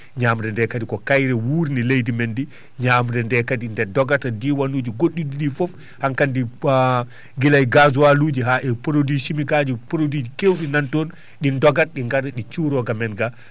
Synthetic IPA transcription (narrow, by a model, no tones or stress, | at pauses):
ɲaːmɾɛndɛkadikɔkajɾɛwuːɾnilejdimendi | ɲamɾɛndɛkadindɛdɔɡatadiwanuːd͡ʒiɡoɗːidiɗifɔf | haŋkandi | ɡilajɡazuwaluːd͡ʒiɦaʔɛpɾodiʃimikaːd͡ʒipɾodid͡ʒikewɗinantɔn | ɗindɔɡat̚ɗiŋɡaɾɛɗit͡ʃuɾɔɡamɛnɡa